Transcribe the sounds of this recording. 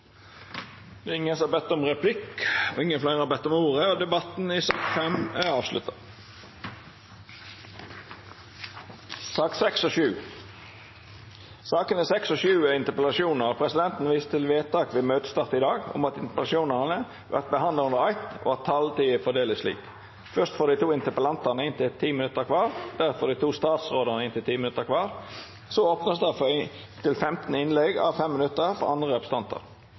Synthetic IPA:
d̪ɛɪŋːənsɔɑbɛt̪ːɔmʁɛpʰlɪkɔ̰ɪŋːənflæɪʁəhɑbɛt̪ːɔmuːʁəoːd̪ɛbɑt̪n̩isɑːkfɛmæʁɑːʋslʉ̰t̪ːɑ | sɑːksɛksɔʃʉː | sɑːkənɪsɛksɔʃʉːæɪnt̪əpəlɑʃjuːnəʁɑpʰʁɛsɪd̪ɛnt̪n̩ʋiːst̪ʰɪlʋeːt̪ʰɑːkʋɛːmøːt̪st̪ɑːʁt̪ɪd̪ɑːɡʊ̰mɑt̪ɪnt̪əplɑʃuːnəʁnə | ʋæ̰ʁt̪̚bəhɑnd̪ləʊnd̪əʁɑɪt̪o̰ɑt̪ʰɑlt̪iːəfɔɖ̪eːlɪslḭːk | fœʁst̪foːd̪iɪt̪ʰuːɪnt̪əpəlɑnt̪əʁnəɪnt̪ɪlt̪ʰiːmɪnʉt̪ːəʁkʰʋɑːʁd̪̥æʁfɔʁd̪iɪt̪ʰuːst̪ɑːt̪sʁoːd̪əʁnəɪnt̪ɪlt̪ʰiːmɪnʉt̪ːəʁkʰʋɑːʁ | sɔoːpnəsd̪ɑf | t̪ʰɪlfɛmt̪n̩ɪnlɛɡɑ̰ʋfɛmːɪnʉt̪ːəʁfɔ̰ʁɑnd̪ʁəɔbst̪ɑnt̪ə̰ʁ

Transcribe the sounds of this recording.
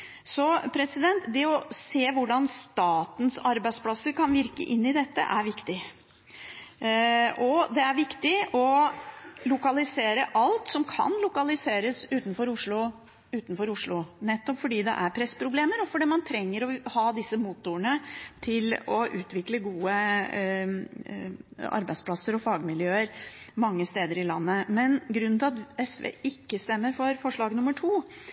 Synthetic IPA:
sɔpʰɾɛsɪd̪ɛnt̪d̪ɛɔseːʋʊɖɑnst̪ɑːt̪n̩sɑɾbæɪd̪spʰlɑsːəɾkʰɑnʋɪɾkə̰ʔɪnːɪd̪ɛt̪ːə̰ʔæɾʋɪkt̪ɪ | ʔɔd̪ɛæɾʋɪkt̪ɪɔ | lʊkɑlɪseːɾəʔɑlt̪sɔmkʰɑ̰nlʊkɑlɪseːɾəsʉːt̪n̩fɔɾʊʂɭʊ | ʉːt̪n̩fɔɾʊʂlʊnɛt̪ːɔpfɔɖiːd̪ɛ̰ʔæɾpʰɾɛspʰɾʊbleːməɾɔfɔɖɛːmɑnt̪ʰɾɛŋːəɾɔhɑːd̪ɪsːəmuːt̪ʊəɳət̪ʰɪlɔʔʉːt̪ʰʋɪkləɡuːə | ɑ̰ɾbæɪspʰlɑsəɾɔfɑːɡmɪljøːəɾmɑŋːəst̪eːd̪əɾɪlɑ̰nːəmɛnɡɾʉnnɪɑt̪ɛsʋḛːɪkːəst̪ɛmːəɾfɔɾfɔʂɭɑːɡnʊmːəʈʰuː

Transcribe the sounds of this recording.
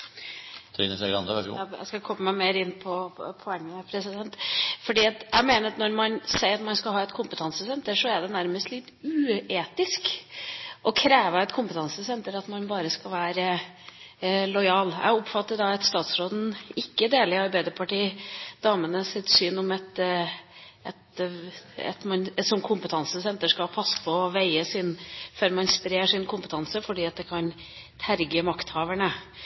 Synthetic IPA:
t̪ʰɾḭnəsɛɡɾɑ̰nd̪əɛæ̰skɑkʰɔmːəmæɪmeːɾɪnːpʰɔpʰɔɛŋːəpʰɾɛsɪd̪ɛnt̪fɔɖiːɑt̪æɪmeːnəɾɑt̪nɔɾmɑnsæɪɾɑt̪mɑnskɑlhɑːɛt̪kʰʊmpət̪ʰɑnsəsɛnt̪əʂɔɛɖ̪ɛnæɾməst̪lɪt̪ʉːeːt̪ɪsk | ʔɔkʰɾeːʋəɛt̪kʰʊmpət̪ʰɑnsəsɛnt̪əɾɑt̪mɑnbɑːɾəskɑʋæːɾə | lɔʏɑːlæ̰ɪɔpfɑt̪ːəɖɑɛt̪st̪ɑːt̪sɾoːd̪n̩ɪkːəd̪eːlɪɑɾbæɪd̪əpʰɑʈiːd̪̥ɑːmənəsɪt̪syːnɔmɛt̪ | ɛt̪ | ɛ̰t̪mɑnsɔmkʰʊmpət̪ʰɑnsəsɛnt̪əʂkɑpʰɑsːə̥pʰɔʋæɪəsɪnføːɾmɑnspɾeːʂɪnkʰʊmpə̥t̪ʰɑnsəfɔɖiːɑt̪̚d̪ɛkʰɑn | t̪ʰæɾɡəmɑkt̪hɑːʋəɳə

